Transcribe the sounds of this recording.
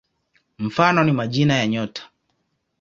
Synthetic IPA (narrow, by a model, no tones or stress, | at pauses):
m̩fanɔnimaʄinajaɲɔtʰḁ